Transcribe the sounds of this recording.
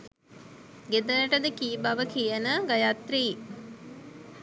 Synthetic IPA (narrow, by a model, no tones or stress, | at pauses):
ɡed̪ələʈəd̪əkiːbaʋəkijənəɡajat̪riː